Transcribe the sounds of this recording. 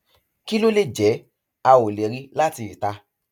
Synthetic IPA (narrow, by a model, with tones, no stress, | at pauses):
ki˦lo˦le˦˨d͡ʒɛ˨˦ | a˧wo˨le˨ɾi˧la˦ti˧˨i˨ta˧